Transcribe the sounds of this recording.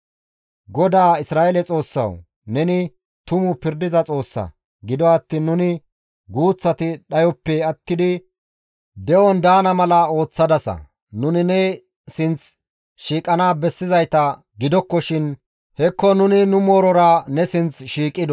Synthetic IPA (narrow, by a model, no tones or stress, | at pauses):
ɡɔd̪aːɪsɾaːʔɛlɛt͡sʼo̞ːsːɐ̰w | nɛnɪ | t̪ʊmʊpɪɾd̪ɪzɐt͡sʼo̞ːsːɐ̰ | ɡɪd̪ɔɐt̪ːiːnːʊnɪ | ɡuːt͡sːɐt̪ɪɗɐjɔpːɛɐt̪ːɪd̪ɪ | d̪ɛwɔnd̪aːnɐmɐlɐo̞ːt͡sːɐd̪ɐsɐ̰ | nʊnɪnɛ | sɪnt͡s | ʃiːkʼɐnaːbɛsːɪzɐjt̪ɐ | ɡɪd̪ɔkːɔʃɪn | hɛkːɔnʊnɪnʊmoːɾɔɾɐnɛsɪnt͡sʃiːkʼːɪd̪ɔ